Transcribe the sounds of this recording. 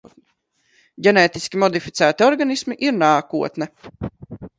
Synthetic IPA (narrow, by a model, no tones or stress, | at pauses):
ɟʲɛnɛːt̪iskʲimɔd̪ifit̪sæːt̪iɔɾɡanismiʔiɾnaːkuɔt̪nɛ